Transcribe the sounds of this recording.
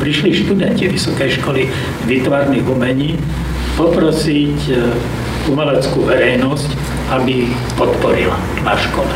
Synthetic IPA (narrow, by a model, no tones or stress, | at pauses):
pɾiʃliʃt̪ud̪ɛnciʋisɔkɛjʃkɔli | ʋit̪ʋaːɾniɣumɛɲiː | pɔpɾɔsic | umɛlɛt͡skuːʋɛɾɛjnɔsc | abi | pɔt̪pɔɾḭla̰ | naʃkɔlɛ